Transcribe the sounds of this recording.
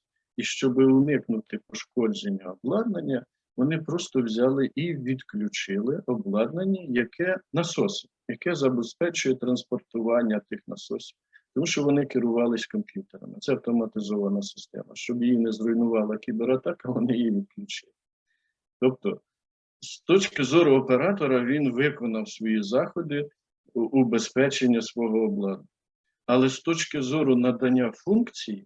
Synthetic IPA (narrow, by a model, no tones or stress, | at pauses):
iʃt͡ʃɔbɪʊnɪknʊt̪ɪpɔʃkɔd͡ʒenʲːɐɔblˠɑd̪̚nɐnʲːɐ | ʋɔnɪpɾɔst̪ɔwzʲɑlˠɪʔiʋʲid̪klʲʊt͡ʃɪlˠɪʔɔblˠɑd̪nɐnʲːɐjɐkʰɛnɐsɔsʲi̥bjɐkɛzɐbespɛt͡ʃʊjɛt̪ɾɐnspɔrt̪ʊʋɑnʲːɐt̪ɪxnɐsɔ̰sʲi̥bt̪ɔmuʃt͡ʃɔʋɔnɪkɪɾʊʋɑlˠɪsʲkɔmpʲjut̪eɾɐ̰mɪt̪sɛɐwt̪ɔmɐt̪ɪzɔʋɐnɐsɪ̥st̪ɛ̰mɐ̰ʃt͡ʃɔbjijinɛzrɔjnʊʋɑlˠɐkʲibeɾɐt̪ɑkɐʋɔnɪjiʋʲid̪̚klʲut͡ʃɪl | t̪ɔp̚t̪ɔ | st̪ɔt͡ʃkɪzɔɾʊɔpeɾɑt̪ɔɾɐʋʲinʋɪkɔnɐwsʋɔjizɑxɔd̪ɪ | ʔubespɛt͡ʃenʲːɐsʋɔɦɔːblˠɑd̪ʊ | ɐlˠɛst̪ɔt͡ʃkɪzɔɾʊnɐd̪ɐnʲːafunkt͡sʲiji